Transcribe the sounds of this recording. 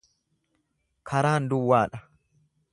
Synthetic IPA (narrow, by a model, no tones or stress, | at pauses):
kʰɐɾaːnd̪ʊwːaːᶑɐ